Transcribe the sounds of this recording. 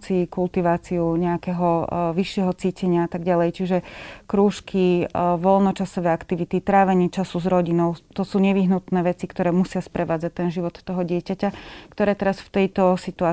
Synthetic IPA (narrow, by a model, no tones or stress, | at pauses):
t͡sikult̪iʋaːt͡siuɲɛakɛɦɔʋiʃɪɛɦɔt͡siːcɛɲɪaat̪aɡɟalɛjt͡ʃiʒɛkɾuːʃkʰiʋɔlnɔt͡ʃasɔʋɛakt̪iʋit̪it̪ɾaːʋɛɲiːt͡ʃasuzɾɔɟinɔʊt̪ɔsuːɲɛʋiɦnut̪nɛːʋɛt͡sikt̪ɔɾɛːmusɪaspɾʔɛʋaːd͡zac̚t̪ɛnʒiʋɔt̪ːɔɦɔɟɪɛcacakt̪ɔɾɛːt̪ɛɾasft̪ɛjt̪ɔsit̪uaː